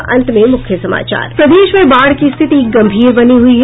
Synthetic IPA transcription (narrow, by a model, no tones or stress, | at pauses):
ʔɐ̰̃nt̪mẽmʊkʰjəsɐma̰ːt͡ʃa̰ːɾpɾɐd̪eːʃmẽbaːɽkist̪ʰɪt̪ik̚ɡɐ̃mbʱiːɾbɐniɦʊiɦ